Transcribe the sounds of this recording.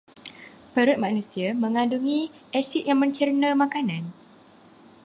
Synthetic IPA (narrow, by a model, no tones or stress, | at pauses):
pəɾʊt̪̚mãnũsiamə̃ŋãnduŋĩʔɛsɪʔ̚jaŋmə̃ɲt͡ʃərnə̃mãkanãn